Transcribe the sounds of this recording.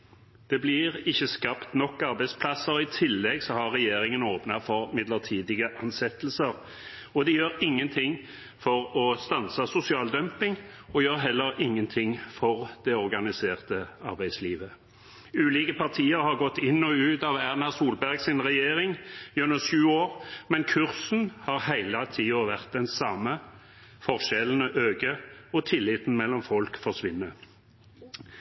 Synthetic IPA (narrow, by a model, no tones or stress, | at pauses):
d̪̥ɛblɪɾɪçːəskɑpt̪nɔkːɑɾbæɪspʰlɑsəɾɪt̪ʰɪlːɛɡsɔhɑʁːɛjeːɾɪŋənoːpnɑfɔɾmɪd̪ləʁt̪ʰiːd̪ɪɡəʔɑnsɛt̪əl̩səɾ | ɔd̪ɛjøːɾɪŋːənt̪ʰɪŋ | fɔɾɔst̪ɑnsɑsʊsɪɑːld̪œmpɪŋɔjøːɾɦɛlːəɾɪŋːənt̪ʰɪŋfɔʁd̪̥ɛɔʁɡɑnɪseːʁt̪əɑʁbæɪd̪sliːʋə | ʉːliːkəpɑʁt̪ʰiːəɾhɑʁɡɔt̪ːɪnːɔʉːt̪ɑːʋæʁnɑsuːlbæʁɡsɪnʁɛjeːʁɪŋjʉnəʃʉːoːʁmɛnkʰʉʁsn̩hɑːʁhæɪlɑt̪ʰiːɔʋæʁt̪̚d̪ɛnsɑmə | fɔʁʃɛlənəʔøːɡəɔt̪ʰɪlːɪt̪n̩mɛlːɔmfɔlkfɔʂʋɪnːə